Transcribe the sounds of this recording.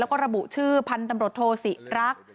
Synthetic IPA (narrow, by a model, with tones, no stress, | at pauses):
wkɔː˥˩ɾa˧bu˨˩ʔt͡ɕʰɯː˥˩pʰa˧nt̪a˧mɾu˨˩t̪ʰːoː˧si˨˩ɾa˦˥k̚